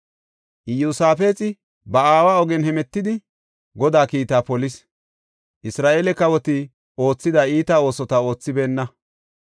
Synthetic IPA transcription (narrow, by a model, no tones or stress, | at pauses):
ʔɪjuːsaːfe̞ːt͡sʼɪ | bɐaːwaːɔɡɛnhɛmɛt̪ːɪd̪ɪ | ɡɔd̪aːkiːt̪aːpɔlɪs | ʔɪsɾaːʔelɛkɐwɔt̪ɪ | o̞ːt͡sːɪd̪ɐiːt̪ao̞ːsɔt̪ɐo̞ːt͡sːɪbe̞ːnːɐ